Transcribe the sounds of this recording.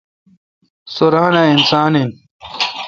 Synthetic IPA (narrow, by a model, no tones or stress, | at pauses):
soɾaːnainsaːnin